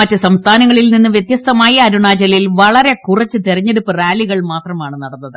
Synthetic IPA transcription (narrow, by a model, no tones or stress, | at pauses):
mɐtːɨsɐmst̪ʰaːnɐŋːɐɭilninːɨʋjet̪jɐst̪ʰɐmaːjɐːɾuɳaːd͡ʑɐlilʋɐɭɐɾe̞kurɐt͡ɕːɨt̪eɾɐɲːe̞ɽupːɨrjaːliɣɐɭmaːt̪rɐmaːɳɨnɐɽɐnːɐðɨ